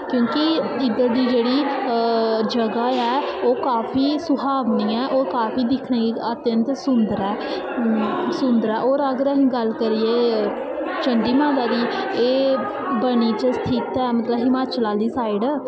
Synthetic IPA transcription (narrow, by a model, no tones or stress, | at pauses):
kjõːkɪɪd̪əɾd̪iːd͡ʒeːɽiː | d͡ʒəɡaːɛːoːkaːfʰiːsʊɦaːʋniːɛːʔoːɾkaːpʰiːd̪ɪkʰneːɡiət̪jə̃nt̪sʊnd̪əɾɛː | sʊnd̪əɾɛːʔoːɾəɡəɾəɦɡəlkəɾiːeː | t͡ʃəɳɖiːmãːd̪aːd̪iːeː | bəɽ̃iːt͡ʃəst̪ʰɪt̪ɛːmət̪ləbɦɪmaːt͡ʃlaːd̪iːsaːɪɖ